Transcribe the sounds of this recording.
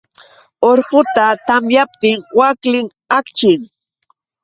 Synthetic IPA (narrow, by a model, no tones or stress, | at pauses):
oɾɢʊt̪at̪amjap̚t̪ɪŋwaklɪŋ | akt͡ʃɪŋ